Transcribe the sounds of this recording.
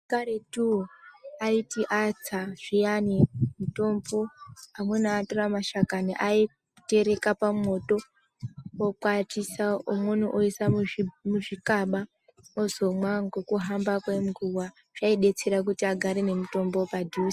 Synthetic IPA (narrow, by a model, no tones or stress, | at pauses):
kaɾetuoaitiʔat͡saʐ̥ijanemuto̞mboamwenatoɾamaʃakaniʔai | te̞ɾe̞kapamo̞to̞ | okwatisaomwun̤uʔoisamuʐikaɓa | ozo̞mwaŋɡokuɦambakwemɡuwa | ʐ̥aiɗe̞t͡seɾak̬utiaɡʱaɾene̞muto̞mbopadʱus